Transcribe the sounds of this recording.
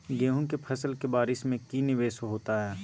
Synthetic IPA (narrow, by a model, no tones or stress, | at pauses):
ɡeːɦũkepʰɐsəlkebaːɾɪsmẽkinɪʋeːʃɦoːt̪aɦɛː